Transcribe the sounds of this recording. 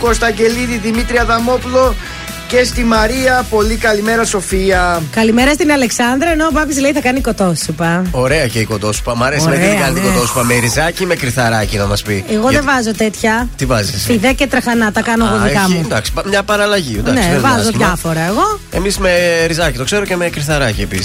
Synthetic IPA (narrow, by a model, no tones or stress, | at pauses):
ko̞st̪ɐɲɟe̞liðiðimit̪ɾiɐðɐmo̞pulo̞ | ce̞st̪imɐɾiɐpo̞likɐlimeɾɐso̞fiɐkɐlimeɾɐst̪inɐle̞ksɐnd̪ɾɐenopɐpisleiθɐkɐniko̞t̪o̞sipɐo̞ɾe̞ɐceiko̞t̪o̞su̥pɐmɐɾesoimeɾekɐnit̪kot̪osi̥pɐmeɾizɐcime̞kɾiθɐɾɐcinɐmɐspieɣo̞ðevɐzo̞t̪et̪çɐt̪ivɐzisfiðecet̪ɾɐxɐnɐt̪ɐkɐnoɣoðikɐmud̪ɐksi̥pɐmɲɐpɐɾɐlɐʝinɐnesvɐzoðʝɐfo̞ɾɐeɣo̞e̞misme̞ɾizɐcit̪o̞kse̞ɾoceme̞kɾiθɐɾɐcie̞pḭsi̥s